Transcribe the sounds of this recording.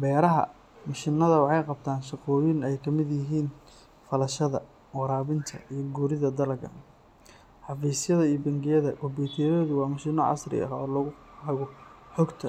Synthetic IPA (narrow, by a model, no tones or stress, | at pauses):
bɛːɾɐɦɐ̰ | mɐʃɪnːɐðɐwɑħɑjqɑb̚t̪ʰaːnʃɑqɔːjɪnɛjkʰɐmɪd̪jɪɦiːn | fɐlɐʃɐðɐ̰ | wɑɾaːβɪnt̪ʰɐ̰ijɞɡuːɾɪðɐd̪ɐlɐɡɐ̰ | ħɑfɛsjɐðɐijɞbɐŋɡɪjɐðɐkʰɔbuːt̪ʰɛɾɔːðʊwɑːmɐʃiːnɔʕɑ̰srɪ̰ɐ̰ɦɔːlɐɣʊ | ħɐɣʊħɔɡt̪ʰɐ